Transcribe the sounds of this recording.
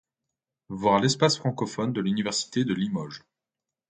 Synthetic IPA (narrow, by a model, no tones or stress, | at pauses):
vwaʁlɛspasfχɑ̃kɔfɔnd̪əlynivɛʁsi̥t̪ed̪əlimɔʒ